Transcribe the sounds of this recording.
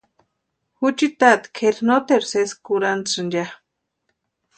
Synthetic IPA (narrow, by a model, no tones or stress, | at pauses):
xut͡ʃit̪at̪kʰeɾnot̪eɾseskuɾant͡sɨnd͡ʒa